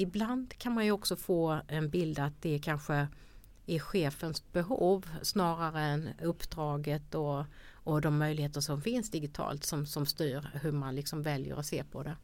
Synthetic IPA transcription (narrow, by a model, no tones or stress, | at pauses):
ɪbland̪kʰanmanjɵɔksɔfoːɛnbɪld̪at̪̚d̪̥ɛkʰanɧə | æɾɧeːfənsb̥ɛɦuːvsnɑːɾaɾəɛnɵpːd̪ɾɑːɡət̪ɔː | d̪ɔmːœjlɪheːt̪əʂɔmfɪnsd̪ɪɡɪt̪ʰɑ̰ːlt̪sɔmsɔmst̪yːɾhɵmanlɪksɔmvɛljə̰ɾɔseːpʰɔd̪ɛ